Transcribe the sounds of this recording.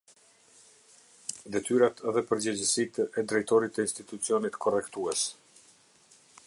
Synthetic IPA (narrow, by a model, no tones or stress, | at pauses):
d̪ɛt̪yɾat̪ðɛpəɾd͡ʑəd͡ʑəsit̪ɛd̪ɾɛjt̪ɔɾit̪əinst̪it̪ut͡siɔnit̪kʰɔrɛkt̪uɛs